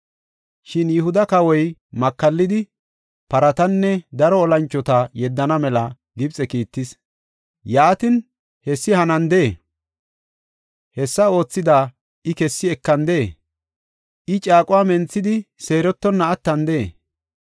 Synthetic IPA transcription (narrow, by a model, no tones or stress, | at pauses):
ʃɪnjʊhʊd̪ɐkɐwɔjmɐkːɐlːɪd̪ɪ | pɐɾɐt̪ɐnːɛd̪ɐɾɔːlɐnt͡ʃːɔt̪ɐjɛd̪ːɐnɐmɛlɐ | ɡɪbt͡sʼɛkiːt̪ːɪs | jaːt̪ɪn | hɛsːɪhɐnɐnd̪e | hɛsːɐo̞ːt͡sːɪd̪aː | ɪkɛsːɪɛkːɐnd̪e | ʔɪt͡ʃʼaːkʼʊwaːmɛnt͡sːɪd̪ɪse̞ːɾɔt̪ːɔnːɐːt̪ːɐnd̪e